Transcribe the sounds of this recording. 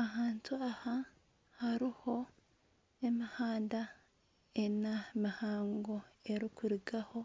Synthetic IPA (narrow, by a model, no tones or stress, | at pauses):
aɦaːntuaha | haɾiho̞ | emihaːnda | enamihaːŋɡoeɾikuɾiɡaho̞